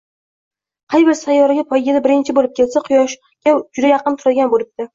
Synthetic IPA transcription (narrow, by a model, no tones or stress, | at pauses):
qʰɑjbɪɾsajːɒɾɪɡʲapʰɒjɡʲɪd̪abɪɾɪnt͡ʃʰɪbolɪp̚kʲʰe̞lsaqʰʊjɒʃ | ɡʲad͡ʒʊd̪ajɑqɨnt̪ʰʊɾad̪ɪɡʲanbolɪp̚t̪ɪ